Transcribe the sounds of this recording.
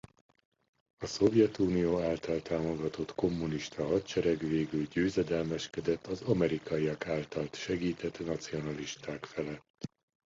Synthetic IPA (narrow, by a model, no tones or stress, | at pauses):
ɒso̞vjɛt̪uːnijoːaːlt̪ɒlt̪aːmo̞ɡɒt̪o̞t̪ko̞mːuniʃt̪ʰɒɦɒt̪t͡ʃɛɾɛɡʋeːɡylɟøːzɛd̪ɛlmɛʃkɛd̪ɛt̪ːɒzɒmɛɾikɒijɒkaːlt̪ɒlt̪ʃɛɡiːt̪ʰɛt̪nɒt̪sio̞nɒliʃt̪aːkfɛlɛt̪ː